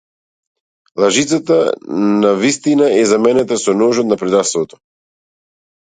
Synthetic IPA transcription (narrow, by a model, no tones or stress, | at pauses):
lˠaʒit̪sat̪anavist̪inaɛzamɛnɛt̪asɔnɔʒɔt̪napɾɛd̪ast̪vɔt̪ɔ̥